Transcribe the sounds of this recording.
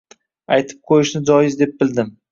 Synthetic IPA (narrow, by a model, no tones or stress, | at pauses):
ajt̪ʰɪ̥p̚qʰojɪʃnɪd͡ʒɒjɪzd̪e̞p̚bɪld̪ɪm